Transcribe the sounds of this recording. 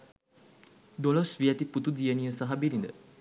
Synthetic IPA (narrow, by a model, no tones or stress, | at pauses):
d̪olɔsʋiat̪iput̪ud̪ijəniəsaɦabilind̪ə̰